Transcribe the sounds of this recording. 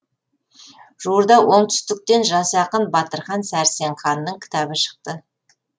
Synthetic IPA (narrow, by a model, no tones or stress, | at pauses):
ʒ̥uɾd̪ɑwo̞ɴt̪ʰʏ̥st̪ɪk̚t̪e̞nʒɑsɑqənbɑt̪əɾχɑnsæɾse̞ɴχɑnːəɴkʲʰɪ̥t̪ʰɑbɪʃə̥q̚t̪ə